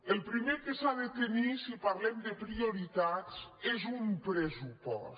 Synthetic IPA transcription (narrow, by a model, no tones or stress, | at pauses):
elˠpɾimekesaðet̪enisipaɾlɛmd̪əpɾioɾit̪at͡sezumpɾezupɔ̰s